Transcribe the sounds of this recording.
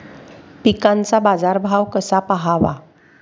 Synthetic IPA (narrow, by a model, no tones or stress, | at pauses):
pikãnt͡sabad͡zaɾbʱaʋkəsapəɦaʋa̰